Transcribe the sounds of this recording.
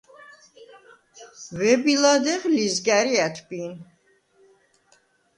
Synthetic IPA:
vɛbilad̪ɛʁlizɡæɾiæt̪ʰbin

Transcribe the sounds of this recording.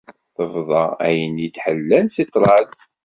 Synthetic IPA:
θəvðˤɑæjənit̪ħəlːænsit̪ˤːɾˤɑl

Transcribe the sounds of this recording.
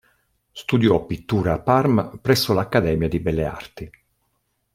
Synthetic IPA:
st̪ud̪jɔpːit̪ːuːɾaːpːarmpɾɛsːolakːad̪ɛːmjad̪ibɛlːea̰rt̪i

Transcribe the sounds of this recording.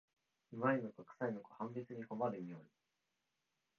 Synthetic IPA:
ɯmainokokɯ̥sainokohãmbʲit͡sɨɲ̟iko̞maɾɯimʲioɾʲi

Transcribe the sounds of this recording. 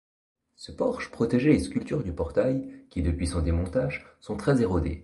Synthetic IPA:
səpɔʁʃpχɔt̪eʒeeskʲylt̪yʁd̪ypɔʁt̪ajkʲid̪əpɥisɔ̃d̪emɔ̃t̪aʒsɔ̃t̪χɛzeʁod̪ḛ

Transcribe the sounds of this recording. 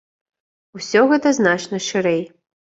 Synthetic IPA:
usʲɔɣɛt̪ɐznat͡ʂnɐʂɨɾɛj

